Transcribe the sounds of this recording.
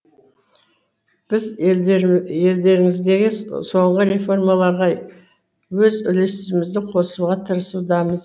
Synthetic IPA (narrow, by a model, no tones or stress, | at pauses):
b̥ɪz | je̞ld̪e̞ɾɪŋɪzd̪e̞ɡʲɪso̞ɴʁəɾe̞fo̞rmalˠɑɾʁɑ | wɵzʏlest̪ɪɪmɪzd̪ɪqʰo̞suʁɑt̪ʰəɾəsud̪ɑməz